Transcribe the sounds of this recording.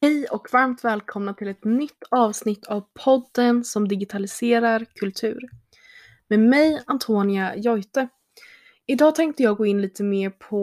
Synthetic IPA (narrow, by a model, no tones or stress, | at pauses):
hɛjɔkvaɾmt̪vɛːlkʰɔmnat̪ʰɪlɛt̪nʏt̪ʰːɑːvsnɪt̪ʰːavpʰɔd̪ːənsɔmd̪ɪɡɪt̪ʰalɪseːɾaɾkʰɵlt̪ʰʉ̟ːɾ | meːmɛjant̪ʰoːnɪajɔjt̪ə | ɪd̪ɑːt̪ʰɛŋk̚t̪əjɑːɡoːɪnliːt̪əmeːɾpʰɔ